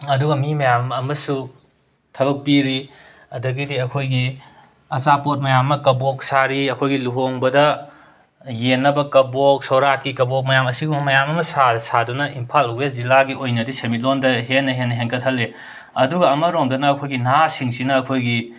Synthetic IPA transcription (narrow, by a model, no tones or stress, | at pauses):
ɐduɡɐmimɐjamɐmɐsu | tʰɐbɐk̚piɾi | ɐdɐɡidiɐkʰojɡi | ɐt͡ʃapot̚mɐjamːɐkɐbok̚saɾiɐkʰojɡiluɦoŋbɐdɐ | jenːɐbɐkɐbok̚sɐwɾakːikɐbok̚mɐjamɐsiɡumɐmɐjamɐmɐsasadunɐʔimpʰaluweszilaɡiojnɐdisemit̬̚londɐɦenːɐɦenːɐɦeŋkʰɐt̚ʰhɐlːe | ɐduɡɐːmɐɾomdɐnɐːkʰojɡinasiŋsinɐːkʰojɡi